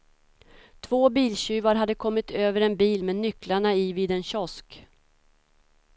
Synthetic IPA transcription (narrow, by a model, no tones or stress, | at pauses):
t̪ʰv̥oːbiːlɕʉːvaɾɦad̪ːəkʰɔmːɪt̪ʰøːvəɾɛnbiːlmɛnːʏklaɳaɪviːd̪ɛnɕɔsk